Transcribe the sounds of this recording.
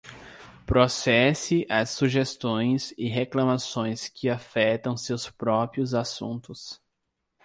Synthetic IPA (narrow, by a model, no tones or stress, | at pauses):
pɾosɛsɪʔɐsːuʒest̪õj̃sɪɦeklɐ̃masõj̃skʰɪafɛt̪ɐ̃w̃sewspɾɔpɾiʊzasṵ̃nt̪ʊs